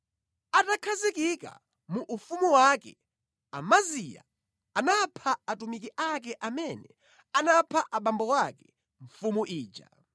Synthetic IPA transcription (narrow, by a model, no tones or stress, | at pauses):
atakʰazikika̰ | muʔːfumuwakɛ̰ | amazija̰ | anapʰaatumik̬iʔakɛʔamɛnɛ | anapʰaʔaɓambɔwakɛ | ɱ̩fumuʔiːd͡ʒa̰